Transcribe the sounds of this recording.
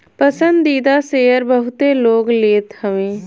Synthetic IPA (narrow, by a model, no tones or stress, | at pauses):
pəsə̃nd̪iːd̪aseːəɾbəɦʊt̪eloːɡleːt̪həʋẽː